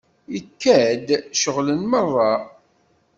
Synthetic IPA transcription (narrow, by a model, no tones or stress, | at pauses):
ikːæd̪ʃəʁlənmərˤːɑ